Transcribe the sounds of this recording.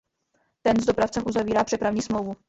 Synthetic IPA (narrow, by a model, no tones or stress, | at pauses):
t̪ɛnzd̪o̞pɾaft͡sɛmʔuzaviːɾaːpr̥ɛpɾavɲiːsmlowvu